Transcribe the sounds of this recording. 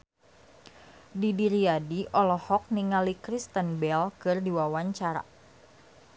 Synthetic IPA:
didiɾiadiʔɔlɔhɔk̚niŋalikɾist̪ənbɛlkɨrdiwawaɲt͡ʃaɾa̰

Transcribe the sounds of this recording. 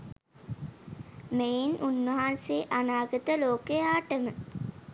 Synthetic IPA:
meinʔunːəɦanseːʔanaːɡət̪əloːkejaːʈəmə

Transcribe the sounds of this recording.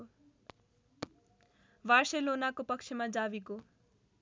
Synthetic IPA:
ʋarselonakopʌkt͡ʃʰemad͡zabiko

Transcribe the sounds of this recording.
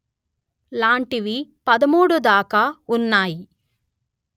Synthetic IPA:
laːɳʈiʋipɐd̪ɐmuːɽud̪aːkaunːaːji

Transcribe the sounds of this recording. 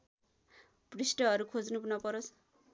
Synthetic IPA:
brisʈʌɦʌɾukʰod͡znupnʌpʌɾos

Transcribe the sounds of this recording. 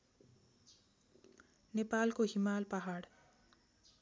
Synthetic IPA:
nepalkoɦimalpaɦaɽ

